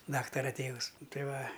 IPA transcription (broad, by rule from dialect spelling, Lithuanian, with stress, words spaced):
ˈdɑːktɐrɐ ˈtʲeːʋʊs ˈtɐɪ ˈʋɐ